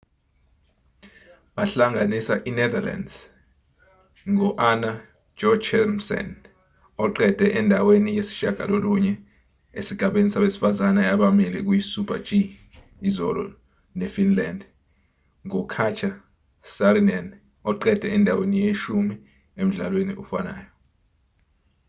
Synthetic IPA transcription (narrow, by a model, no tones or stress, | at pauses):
ɓaɬaŋanisaʔinɛd̪ala̰ndz̥ | ŋɔʔana | d͡ʒɔt͡ʃʰɛmsɔ̰n | ɔǃɛd̥ʱɛʔɛndʱawenijesi̥ʃaɡ̥ʱa̰loluɲɛ | ḛsiɡ̥ʱaɓenisaɓesi̥fazanajaɓamilɛk̬ujisupʰad͡ʒiː | zɔ̰lɔ̰ | nefinland | ŋɔkʰat͡ʃʰa | saɾinan | ɔǃɛd̥ʱɛɛndʱawenijeʃumi | em̩ɮa̰lwenḭʔufana̰ːjɔ